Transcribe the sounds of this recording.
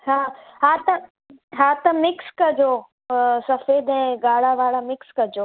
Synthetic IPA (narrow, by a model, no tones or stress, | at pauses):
haːɦaːt̪ɐ | ɦaːt̪ɐmɪkskɐd͡ʒoː | sɐfeːd̪ɛ̃ːɡaːɽ̤aʋaːɽamɪkskɐd͡ʒoː